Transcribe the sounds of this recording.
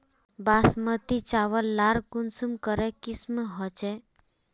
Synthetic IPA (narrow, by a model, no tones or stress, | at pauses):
basmət̪it͡ʃaʋəlːaɾkunsumkəɾekisməɦɔt͡ʃe